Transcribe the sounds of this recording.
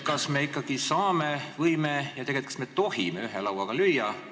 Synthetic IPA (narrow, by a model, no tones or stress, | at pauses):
kɑsme̞ikːˑɑɡ̥isɑːme̞vɤjmejɑt̪e̞ɡet̪kɑ̥sme̞t̪o̞hḭme̞yɦelɑwɑɡ̥ɑlyjːɑ